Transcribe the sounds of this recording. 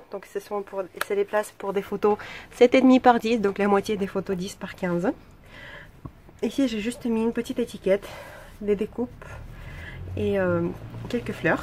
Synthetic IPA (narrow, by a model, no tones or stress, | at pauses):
d̪ɔ̃ksəsɔ̃pʰuʁseleplaspuʁd̪efot̪osɛt̪ed̪mipaʁd̪isd̪ɔ̃klamwat̪jed̪efot̪od̪ispaʁkʲɛ̃z | isiʒeʒyst̪miynpət̪it̪et̪ikʲɛt̪d̪ed̪ekup | eøkʲɛlkəflœːʁ